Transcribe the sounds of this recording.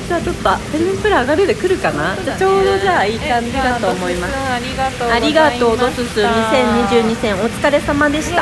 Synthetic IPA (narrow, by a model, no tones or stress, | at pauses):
d͡ʑaːt͡ɕo̞t̪ːoat̪eɲ̃pɯ̟ɾaːɡaɾɯd̪ekɯ̟ɾɯ̟kanad͡ʑat͡ɕo̞ːd̪o̞d͡ʑaːiːkãɲd̪id̪at̪o̞ːmo̞imas | aɾʲiɡat̪o̞ːd̪o̞sɨsɨɲ̟isẽ̞ɲɲːiʑɨːɲ̟isẽ̞ɰ̃o̞t͡si̥kaɾe̞samad̪e̞ɕi̥t̪a